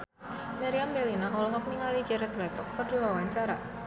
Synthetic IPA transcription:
maɾiambelinaŋɔlɔɦɔk̚niŋalid͡ʒɛɾɛt̪lɛt̪ɔkʰɔrdiwawaɲt͡ʃaɾa

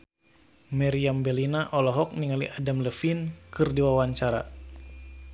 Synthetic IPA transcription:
mɛɾiambɛlinaʔɔlɔɦɔk̚niŋalḭʔadamləfinkɨrdiwawaɲt͡ʃaɾa̰

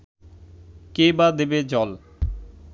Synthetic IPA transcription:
kebad̪ebed͡ʑɔl

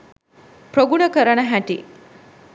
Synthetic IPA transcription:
pɾoɡuɳəkəɾəɳəɦæʈḭ

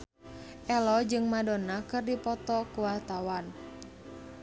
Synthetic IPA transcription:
ʔɛlɔd͡ʒɨŋmadɔnakɨrdipɔt̪ɔkuwart̪awan

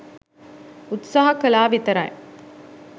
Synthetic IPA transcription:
ut̪saːɦɐkɐlaːʋit̪ɐɾaj̰

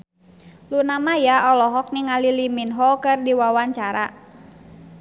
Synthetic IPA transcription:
lunamajaɔlɔɦɔk̚niŋaliliminɦɔkɨrdiwawaɲt͡ʃaɾa

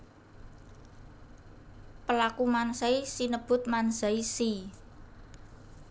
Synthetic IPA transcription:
pəlakumansaisinəb̥ʊ̤t̪̚manzaisi

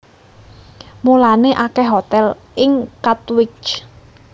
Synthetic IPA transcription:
mulaneʔakɛɦot̪ɛl | ʔɪŋkat̪wɪt͡ʃ

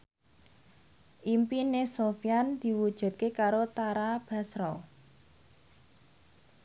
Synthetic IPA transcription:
ʔimpinesofjand̪̥i̤wud̥ʒ̥ṳt̪̚kekaɾot̪aɾab̥a̤sɾɔ

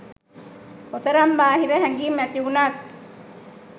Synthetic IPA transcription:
ot̪əɾambaːɦiɾəɦæɡiːmæt̪iunak̚

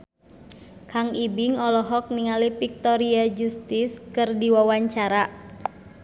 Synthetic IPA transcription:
kaŋibiŋɔlɔɦɔk̚niŋalipik̚t̪ɔɾiad͡ʒust̪ɪskɨrdiwawaɲt͡ʃaɾa

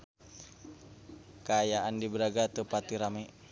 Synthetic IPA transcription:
kaːjaandibəɾaɡat̪əpat̪iɾamɛ

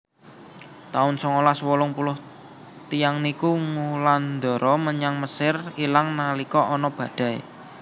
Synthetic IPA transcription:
t̪aʊnsɔŋolaswɔlʊŋpulʊh | t̪ijaŋnikuŋuland̪ɔ̤ɾɔməɲaŋməsɪrilaŋnalikɔʔɔnɔb̥ä̤d̪̥ä̤ḛ

